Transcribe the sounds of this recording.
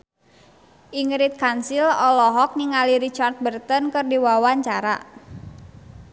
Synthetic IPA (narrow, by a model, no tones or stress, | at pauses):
ʔiŋɾit̪̚kansilɔlɔɦɔk̚niŋaliɾit͡ʃart̪̚bərt̪ənkɨrdiwawaɲt͡ʃaɾa̰